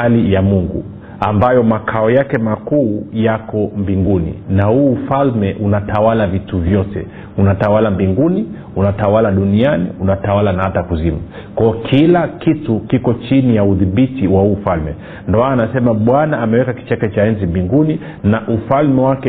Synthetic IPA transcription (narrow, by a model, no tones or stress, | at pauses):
alijamuŋɡṵ | ambajɔmakʰaɔjakɛmakuːjakɔmbiŋɡunḭnahuːfalmɛʔunatawalavituvjɔtɛ̰ | unatawalambiŋɡuni | unatawalaɗunianḭunatawalanahatakuzima | kwaɔkʰilakitukikɔt͡ʃinijauðiɓitiwahuːfalmɛ̰ | ndɔmaanasɛmaɓwanaːmɛwɛkaki̥t͡ʃakɛt͡ʃaɛnzimbiŋɡuni | naʔufalmɛwakɛ